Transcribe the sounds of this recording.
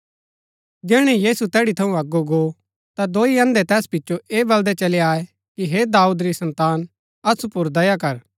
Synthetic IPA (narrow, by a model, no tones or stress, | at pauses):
d͡ʒɛːɽ̃ɛjiːsut̪ɛːɽit̪ʰɐũɐɡoɡo | t̪ad̪oːiɐ̃nd̪ɛt̪ɛːspɪtːʃoʔeːbɐld̪ɛt͡ʃɐleaːe | kiɦed̪aːuːd̪ɾisɐ̃nt̪aːn | ɐsupʊɾd̪ɐjakɐɾ